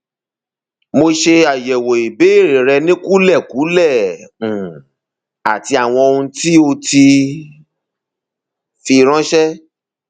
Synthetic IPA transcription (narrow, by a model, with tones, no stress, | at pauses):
mo˧ʃe˧a˨jɛ˨wo˨i˨be˨˦i˦˨ɾe˨ɾɛ˧nĩ˦ku˦lɛ˦˨ku˨˦lɛ˦˨ũ˨ | a˨ti˧a˨w̃ɔ̃˧o˧ũ˧ti˦o˧ti˧ | fi˧ɾ̃ã˦ʃɛ˦